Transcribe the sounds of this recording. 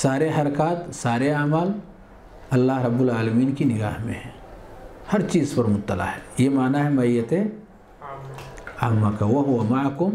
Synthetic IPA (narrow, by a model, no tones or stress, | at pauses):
saːɾeɦɐɾkaːt̪saːɾeaːmal | ɐlːaːɦɾɐbːʊlaːləmiːnkinɪɡa̰ːɦmḛ̃ɦɛ̃ | hɐɾt͡ʃiːzpɐɾmʊt̪ːəla̰ɦɛjemaːnaɦɛmɐijːət̪e | amːakawɐɦʊwamaʕkʊm